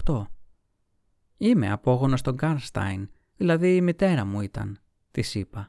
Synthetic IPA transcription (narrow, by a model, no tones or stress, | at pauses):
t̪o̞ | ime̞̰ɐpo̞ɣo̞nost̪o̞ŋɡɐɾst̪ɐ̰jn | ðilɐðiːmit̪e̞ɾɐmuit̪ɐ̰n | t̪isipɐ